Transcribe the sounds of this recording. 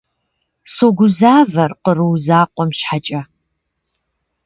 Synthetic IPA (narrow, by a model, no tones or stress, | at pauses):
soɡʷʊzaːvɐrqərɨwzaːqʷʼɔmʃħat͡ʃʼɐ